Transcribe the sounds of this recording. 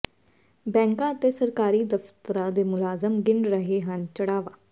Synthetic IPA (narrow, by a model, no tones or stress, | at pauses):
bɛ̃ːŋkãːət̪eːsəɾkaːɾiːd̪əft̪əɾãːd̪eːmʊlaːzəmɡɪɳɖɾəɦeːɦənt͡ʃəɽaːʋaː